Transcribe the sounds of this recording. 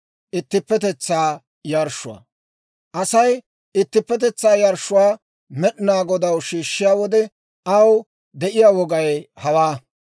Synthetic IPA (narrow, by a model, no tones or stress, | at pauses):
ʔɪt̪ːɪpːɛt̪ɛt͡sːaː | jɐɾʃːʊwɐ̰ | ʔɐsɐj | ɪt̪ːɪpːɛt̪̬ɛt͡sːaːjɐɾʃːʊwaː | mɛɗɪnaːɡɔd̪ɐwʃiːʃːɪjaːwɔd̪ɛ | ɐw | d̪ɛʔɪjaːwɔɡɐjhɐwaː